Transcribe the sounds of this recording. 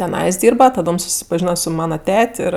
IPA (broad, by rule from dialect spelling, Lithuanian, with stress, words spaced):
tʲɛˈnɐɪs ˈdʲiːrbɐ tɐˈdoːm sʊsʲɪpɐˈʒʲiːnɐ sʊ ˈmɑːnɐ ˈtʲɛtʲ ˈɪr